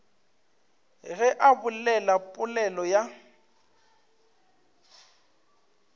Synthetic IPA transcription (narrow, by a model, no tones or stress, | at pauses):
ɣɛʔabʊlɛlapʼʊlɛlɔja